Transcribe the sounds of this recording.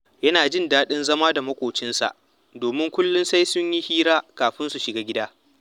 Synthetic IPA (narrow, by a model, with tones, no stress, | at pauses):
jɐ˦naː˨d͡ʒɪ˦ndaː˦ɗɪ˦nzɐ˦maː˦da˨mɐ˦kʷoː˨t͡ʃɪ˦nsa̰˨ʔ | doː˨mɪ˦ŋkʷʊ˦lːʊ˦nsa˦jsʊ˦ɲji˦hiː˦ɾaː˦kaː˨ɸɪ˦nsu˨ʃɪ˨ɡaː˦ɡʲɪ˦daː˦